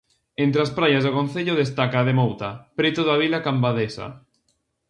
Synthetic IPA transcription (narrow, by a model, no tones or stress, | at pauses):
ent̪ɾeaspɾajazðokon̟θeʎoðest̪akaːðemowt̪apɾet̪oðaβ̞ilakambaðesa̰